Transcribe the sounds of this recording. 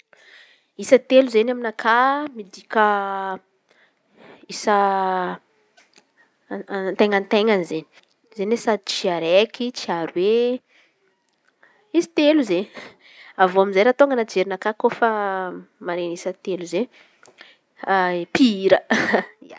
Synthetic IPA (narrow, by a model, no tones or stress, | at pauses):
isət̪eluzenaminakʰamid̪ikʲə | isə | nt̪eŋant̪eŋanizeni̥ | zenesad̪it͡ʃiaɾekit͡ʃiaɾuwe | isi̥t̪eluze | avoamizajɾat̪oŋɡənad͡ʒeɾinakakofə | maɾenisət̪eluze | piiɾə